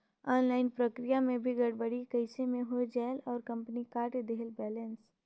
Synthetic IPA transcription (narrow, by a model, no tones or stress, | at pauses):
ɔːnlaːɪnpɾəkɾijamẽbʱiɡɐɽbəɽikəɪsemẽɦod͡ʒɛːlɔːɾkɐ̃mpnikaːɾʈd̪eɦlbɛːləns